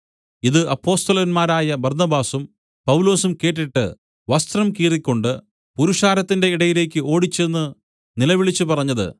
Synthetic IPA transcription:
iðɨɐpːo̞ːst̪ɐlɐnmaːɾaːjɐbɐrnɐbaːsum | pɐwlo̞ːsumke̞ːʈːiʈːɨ̰ | ʋɐst̪rɐmkiːrikʲːo̞ɳɖɨ | puɾuʂaːɾɐt̪ːinde̞iɽɐjile̞ːkʲːɨo̞ːɽit͡ɕːenːɨ | nilɐʋiɭit͡ɕːupɐrɐɲːɐðɨ̰

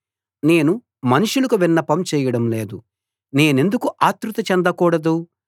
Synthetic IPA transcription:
ne̞ːnu | mɐnuʂulɐkuʋinːɐpɐmt͡ʃɛːjɐɽɐmleːd̪u | ne̞ːne̞nd̪ukuʔaːt̪ɾut̪ɐt͡ʃɛnd̪ɐkuːɽɐd̪u

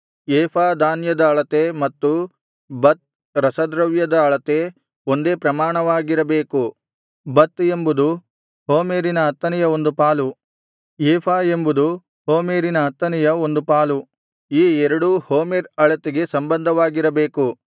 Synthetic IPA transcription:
ɛːpʰaːd̪aːnjɐd̪ɐːɭɐt̪emɐt̪ːu | bɐt̪̚ | ɾɐsɐd̪ɾɐʋjɐd̪ɐːɭɐt̪e | o̞nd̪e̞ːpɾɐmaːɳɐʋaːɡiɾɐbeːku | bɐt̪e̞mbud̪u | hoːmeːɾinɐːt̪ːɐnɛjɐo̞nd̪upaːlu | jɛːpʰaːe̞mbud̪u | hoːmeːɾinɐɐt̪ːɐnɛjɐo̞nd̪upaːlu | iːɛɾɐɽuhoːmeɾɐɭɐt̪eɡe̞sɐmbɐnd̪ʱɐʋaːɡiɾɐbeːku

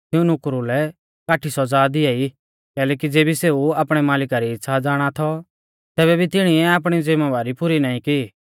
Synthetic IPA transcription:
t̪ɪũnʊkɾulɛ | kaːʈʰisɔd͡zaːd̪ɪai | kɛːlɛːkid͡zeːbiseːuaːpɽ̃ɛmaːlɪkaɾiɪtːʃʰad͡zaːɽ̃at̪ʰɔ | t̪ɛːβɛbʱit̪ɪɽ̃iɛaːp̬ɽ̃id͡zɪmɛʋaːɾipʊɾinãːĩkɪ

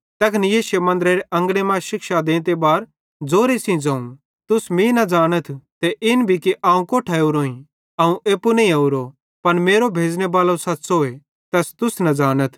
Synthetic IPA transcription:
t̪ɐknijeːsemɐ̃nd̪ɾeɾeʔɐ̃ŋɡɽemãʃɪkʃad̪ẽːt̪ebaːɾ | d͡zoːɾesĩd͡zɐ̃ːũn | t̪ʊsmĩnɐd͡zaːɽ̃ət̪ʰt̪eʔɪnbʱikiʔãːũkoːʈʰɐuɾoːĩ | aːũʔeːpunɐĩɐuɾo | pɐnmeːɾobʱeːd͡znebaːlosɐtːsoːe | t̪ɛst̪ʊsnɐd͡zaːñət̪ʰ

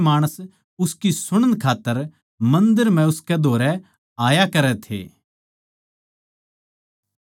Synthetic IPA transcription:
maːɽ̃əs | ʊskisʊɽ̃ənkʰaːt̪ːəɾ | mɐ̃nd̪əɾm̤ɛ̃ʊskɛd̪ʱoːɾɛ | aːjakɐɾɛt̪ʰḛː

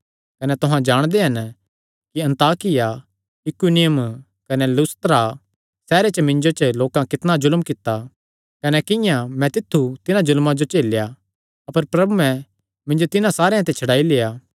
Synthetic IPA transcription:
kɐnɛt̪oɦãd͡ʒaːɽ̃d̪eɦɐn | kiɐ̃nt̪aːkɪja | ɪkunɪjəm | kɐnɛlʊst̪ɾa | sɛːɾet͡ʃəmɪ̃nd͡ʒot͡ʃəloːkãkɪt̪nad͡ʒʊlmkɪt̪ːa | kɐnɛkɪ̃jãmɛ̃t̪ɪt̪ʰːut̪ɪnãd͡ʒʊlmãd͡ʒot͡ʃeːlja | ɐpəɾpɾɐbuɛ̃ | mɪ̃nd͡ʒot̪ɪnãsaːɾeãt̪ɛt͡ʃʰɐɽaːileːaː

